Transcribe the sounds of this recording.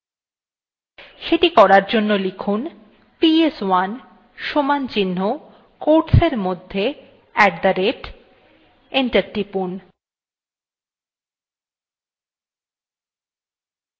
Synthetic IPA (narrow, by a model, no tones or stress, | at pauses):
ʃeʈikɔɾaɾd͡ʑonːolikʰun | pieswan | ʃomant͡ɕinːo | koɾʈseɾmod̪ʱːe | ɛk̚d̪aɾeʈ | iɳʈaɾʈipun